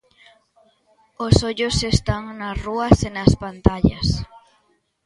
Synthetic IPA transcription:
osoʎʊsest̪aŋnɐsruɐsenɐspant̪aʎɐ̰s

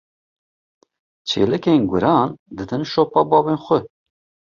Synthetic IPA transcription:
t͡ʃʰḛːlɛkeːnɡʷʊɾɑːnd̪ɨd̪ɨnʃoːpɑːbɑːveːnxʷə

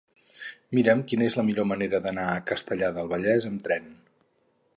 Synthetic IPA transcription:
miɾəmkinəezləmiʎoməneɾəðənaəkəst̪əʎaðəlˠβəʎɛzəmt̪ɾɛn

